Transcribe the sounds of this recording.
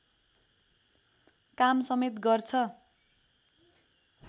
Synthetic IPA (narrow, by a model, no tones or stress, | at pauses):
kamsʌmet̪ɡʌrt͡sʰʌ